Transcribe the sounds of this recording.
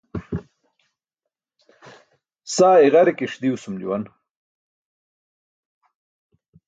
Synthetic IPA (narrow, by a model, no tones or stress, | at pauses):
saːeɣɐɾekeʂd̪iusumd͡ʑuwɐn